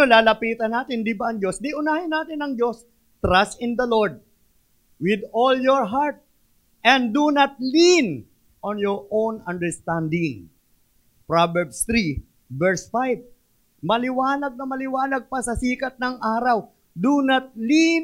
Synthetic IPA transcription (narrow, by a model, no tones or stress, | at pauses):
olaːlɐpiːt̪ɐnːaːt̪ɪnd̪ibaʔɐŋd͡ʒo̞snɪʔʊnaːhɪnːaːt̪ɪnɐŋd͡ʒo̞s | t̪ɾast̪ɪnd̪ɐloɹd̪̚ | wɪd̪oljoɹɦaɹt̪̚ | ʔɛ̃nd̪d̪unɐt̪̚lin | ʔonjɔɹʔownɐ̃nd̪ɛɹst̪ãnd̪ɪŋ | pɹabɛɹbst̪ɾiː | ɛɹsfajv̚ | mɐlɪwaːlɐɡ̚nɐmɐlɪwaːlɐɡ̚pɐsɐsiːkɐt̪̚nɐŋʔaːɾɐw | d̪unɐt̪̚li